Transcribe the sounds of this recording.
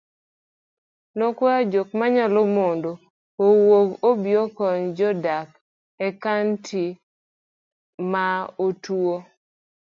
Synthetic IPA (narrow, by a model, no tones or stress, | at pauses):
nokwad͡ʒok̚maɲalomondo | owokobjɔkɔɲd͡ʒɔdak | ɛkantʰi | maotuo